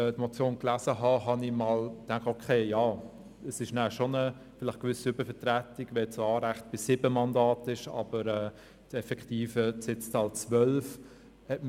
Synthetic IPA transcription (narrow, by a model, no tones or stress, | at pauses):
tmot͡sjoːnklæzəɦɑɦɑnimɑːltæŋkχtokʰeːjɑː | əsɪʃnæːʃonə | fɪlɪχkʋʏsiʏbəɾfɛtʁætɪɡ̥ʋɛt͡sɑːɾæχt̚b̥ɪsɪbəmɑndɑːtɪʃɑ̰bəɾɛː | tɛfɛkχtiːfəsɪt͡stɑːlt͡sʋœlf | hɛtm